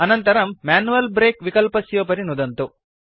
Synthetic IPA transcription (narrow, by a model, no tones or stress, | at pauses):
ɐnɐnt̪ɐɾɐmːaːnuʋɐlbɾeːkʋikɐlpɐsjoːp̬ɐɾinud̪ɐnt̪u